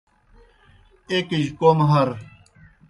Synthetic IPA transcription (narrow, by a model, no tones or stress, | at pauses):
ekiʑkomɦɐɾ